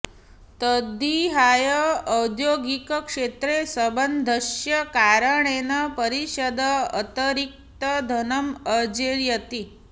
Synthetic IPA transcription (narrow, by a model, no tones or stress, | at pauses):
t̪əd̪ʱiɦajəːwd̪joɡikəkʂet̪ɾesəbənd̪ʱəɕjəkaɾəɳenapəɾiɕəd̪əə̰t̪əɾik̚t̪əd̪ʱənəməd͡ʒeɾjət̪i